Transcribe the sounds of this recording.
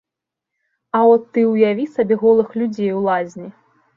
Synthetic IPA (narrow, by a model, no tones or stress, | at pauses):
aɔt̪ːɨwjavʲisabʲɛɣɔlˠɨxlʲud͡zʲejwlˠazʲnʲi